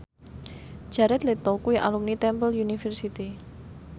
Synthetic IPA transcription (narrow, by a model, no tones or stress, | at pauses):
ʒ̥a̤ɾɛt̪let̪ɔkuiʔa̰lumnit̪ɛmbəljunifɛrsit̪i